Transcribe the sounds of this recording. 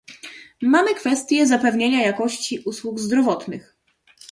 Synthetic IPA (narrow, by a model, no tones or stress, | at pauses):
mamɘkfɛst̪ʲjɛzapɛvɲeɲajakɔɕt͡ɕiʔuswuɡzd̪ɾɔvɔt̪nɘx